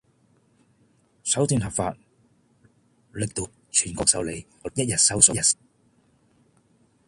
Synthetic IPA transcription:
sɐ˨˥wt̪yː˧nhɐ˨p̚fa̰ː˧t̚ | lɪ˨k̚t̪o˨˧ | t͡ʃʰyː˨˩nkɔː˧k̚sɐ̰˨˧wle˨˧j | ɔː˨˥jɐ˥t̚jɐ˨t̚sɐ˨˥wsɔː˨˥jɐ˨t̚

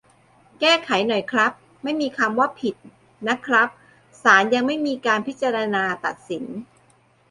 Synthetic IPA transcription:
kɛː˥˩kʰa˩˦jnɔ˨˩jkʰɾa˦˥p̚ | ma˥˩jmiː˧kʰa˧mwa˥˩pʰi˨˩t̪̚ | na˦˥kʰɾa˦˥p̚ | saː˩˦nja˧ŋma˥˩jmiː˧kaː˧npʰi˦˥t͡ɕa˧ɾa˧naː˧t̪a˨˩t̪̚si˩˦n

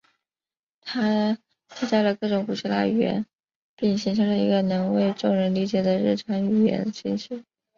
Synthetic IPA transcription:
t̪ʰa˥ | t͡ɕʰi˥t͡ɕa˥˩lə˩kɤ˥˩ʈ͡ʂʊ˨˩ŋpu˨˩ɕʰi˥la̰˥˩y˨˩ɥɛ̰˧˥n | pi˥˩ŋɕi˧˥ŋʈ͡ʂʰɤ˧˥lə˧i˧˥ɡə˧nɤ˧˥ŋwe˥˧ɪʈ͡ʂʊ˥˧ŋɻə˧˥nli˧˥t͡ɕjɛ˧˥d̪ə˧ɻɻ̩˥˩ʈ͡ʂʰɑ˧˥ŋy˨˩ɥjɛ̰˧˥nd̪ə˧ɕi˥ŋɕʰy˥˩˦

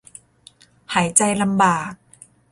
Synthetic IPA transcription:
haː˩˦jt͡ɕa˧jla˧mbaː˨˩k̚

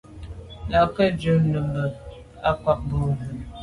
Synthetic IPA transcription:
la˨kə˦d͡ʒə˨˦nə˨mbə˨ | a˦kwa˦k̚bu˨

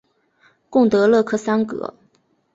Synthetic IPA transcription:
kʊ˥˩ŋt̪ɤ˧˥lɤ˥˧kʰɤ˥˩sa˥nkɤ̰˧˥

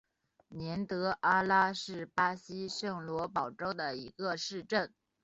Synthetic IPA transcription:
njɛ˧˥nt̪ɤ˧˥ʔa˥la˥ʂɻ̩˥˩pa˥ɕi˥ʂɤ˥˩ŋlwɔ˧˥pɑ˨˩ʊʈ͡ʂo˥ʊd̪ə˨i˧˥ɡə˧ʂɻ̩˥˧ʈ͡ʂə˥˩n

